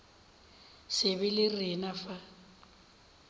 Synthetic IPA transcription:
sɪbɪlɪrɪnafa

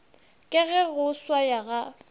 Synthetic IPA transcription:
kʼɪɣɛɣʊswajaɣa

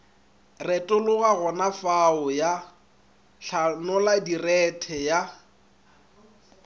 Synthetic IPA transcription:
rɛtʼʊlʊɣaɣɔnafaʊja | ɬʰanɔladirɛtʰɛja

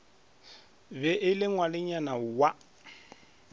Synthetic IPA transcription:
bɛʔɪlɪŋwalɪɲanawa

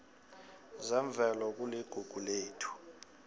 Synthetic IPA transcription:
zɛɱb̪vʱɛlɔk̬uliɡ̥ʱuɡ̥ʱuleːtʰu̥

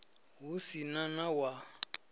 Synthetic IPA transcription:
ɦusinanawa

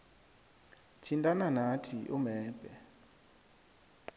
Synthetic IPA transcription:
tʰintʼananatʰiʔumɛːb̥ʱɛ

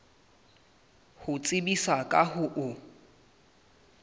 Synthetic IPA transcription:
hʊt͡sʼɪbisakʼahʊʔʊ

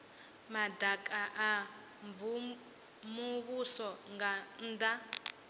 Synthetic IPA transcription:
madakʼaʔa | ɱvu | muβusɔŋɡanda

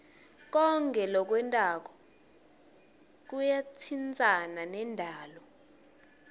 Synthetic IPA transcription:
k̬ɔŋkʼɛlɔk̬wɛntʼak̬ɔ̥ | k̬ujat͡sʰint͡sʼananɛndʱaːlɔ

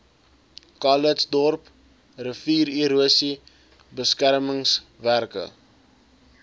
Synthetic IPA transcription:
kɑlətsdɔrp | rəfiːɾiɾuəsi | bəskærməŋsværkə̰

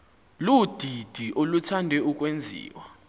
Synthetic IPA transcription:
lud̥ʱid̥ʱiʔolutʰandʱɛuk̬ʼwend͡zʱḭːwa

